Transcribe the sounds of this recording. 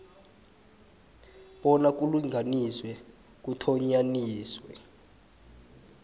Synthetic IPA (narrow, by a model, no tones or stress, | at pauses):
ɓɔnak̬ʼuluŋʱaniswɛ | k̬utʰɔɲaniːswɛ